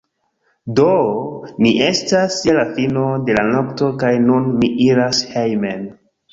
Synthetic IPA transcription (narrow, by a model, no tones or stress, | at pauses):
doniʔe̞staselafino̞de̞lanokto̞kajnunmiʔiɾashejmen